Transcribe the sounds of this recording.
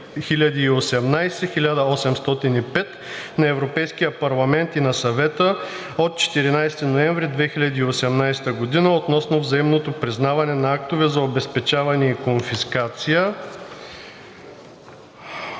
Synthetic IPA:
xilʲɐd̪iːosɛmnajsɛxilʲad̪ɐɔsɛmst̪ɔt̪inipɛt̪ | nɐɛvɾopɛjskijəpɐɾlˠɐmɛnt̪inɐsɐvɛt̪ə | ot̪̚t͡ʃɛ̥t̪iɾinajst̪inoɛɱvɾid̪vɛxilʲɐd̪iːosɛmnajst̪əɡod̪inəot̪nɔsnovzɐimnot̪opɾiznavɐnɛnɐak̚t̪ovɛzɐobɛspɛt͡ʃavɐnɛikonfiskat̪sijə

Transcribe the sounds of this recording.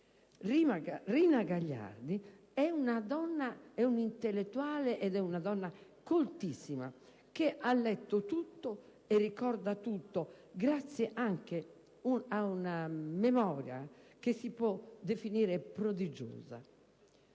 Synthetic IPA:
imarinaɡaʎːa̰ɾd̪i | ɛunad̪ɔnːaɛunint̪elːet̪ːuaːlɛʔɛd̪ɛunad̪ɔnːa | kolt̪isːima̰ | keʔalːɛt̪ːot̪ut̪ːɔ | ɛrːikɔɾd̪at̪ut̪ːɔ | ɡɾat̪sːjɛʔaŋke | uaunamɛmɔːɾja̰kesipɔd̪ːefiniːɾɛpɾod̪id͡ʒo̰ːza̰

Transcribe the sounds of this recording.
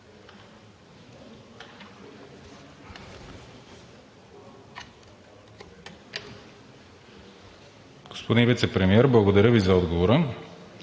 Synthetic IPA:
ɡ̥o̥spod̪invit̪sɛpɾɛmiɛɾblˠɐɡod̪ɐɾʲəvizɐɔd̪ɡovoɾə

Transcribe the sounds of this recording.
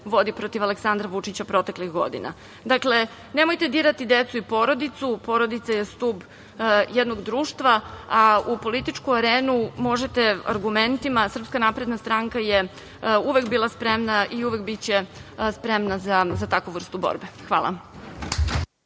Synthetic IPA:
ʋo̞d̪ipɾot̪iʋaleksand̪ɾaʋut͡ʂit͡ɕapɾo̞t̪e̞klixɡo̞̰d̪ḭna̰ | d̪akle̞ | ne̞mo̞jt̪e̞d̪iːɾat̪id̪et̪suipo̞ɾo̞d̪it̪supo̞ɾo̞d̪it̪sajest̪uːb | jed̪no̞ɡd̪ɾuːʃt̪ʋaaupo̞lit̪it͡ʂkuaɾeːnumo̞ʒet̪e̞a̰ɾɡument̪imasr̩pskanapɾed̪nast̪ɾaŋkaje | uʋekbiːlˠaspɾemnaʔiuʋek̚bit͡ɕespɾemnazazat̪akʋuʋr̩st̪ubo̰ɾbexʋaːlˠa̰

